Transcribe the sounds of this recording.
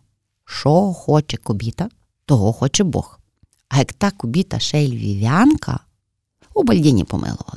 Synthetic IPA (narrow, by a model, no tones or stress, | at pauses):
ʃɔxɔt͡ʃɛkɔbʲit̪ɐ | t̪ɔɦɔxɔt͡ʃɛbɔ̰x | ɐjɐkt̪ɑkʊbʲit̪ɐ̰ʃɛlʲʋʲḭʋʲɑnkʰɐ̰ | ubɐlʲdʲinʲḭpɔ̰mʔɪ̰lˠʊʋɐ̰lˠ